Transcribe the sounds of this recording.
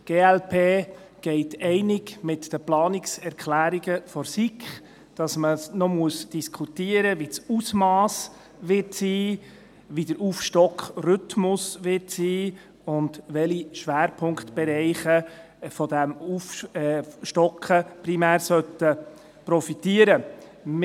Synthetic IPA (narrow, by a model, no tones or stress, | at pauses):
ɡ̥eːɛlpʰeːɡ̥ɛɪtɛɪnɪɡmɪtd̥əplɑːnɪksɛɾkʰlæːɾiɡ̥əfɔɾsikχ | d̥ɑsməsnɔmuəsd̥iskʰutiəɾəʋit͡susmɑːs | ʋɪtsiː | ʋidəɾʔuːfʃtɔkχrʏtmʊsʋɪtsiː | ʊndʋɛliʃʋæːɾpʰʊŋktb̥ɛɾɛɪχə | fɔdæmuf | ʃtɔkχəpɾimæːɾsœtə | pɾɔfitiəɾə